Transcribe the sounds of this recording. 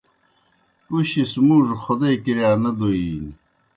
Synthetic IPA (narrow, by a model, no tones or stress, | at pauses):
uɕismuːʐxod̪eːkiɾjaːnɐd̪oiːn